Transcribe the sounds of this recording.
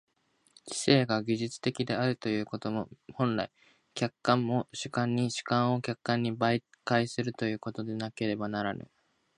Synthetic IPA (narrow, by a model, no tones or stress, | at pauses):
t͡ɕi̥se̞ːɡaɡʲiʑɨt͡sɨ̥t̪e̞kʲid̪e̞aɾɯ̟t̪o̞jɯ̟ːko̞t̪o̞mo̞hõ̞nɾai | kʲakːãmːo̞ɕɨ̥kãɲ̟ːiɕɨ̥kãɰ̃o̞kʲakːãɲ̟ːibai | kaisɨɾɯ̟t̪o̞jɯ̟ːko̞t̪o̞d̪e̞nake̞ɾe̞banaɾanɯ̰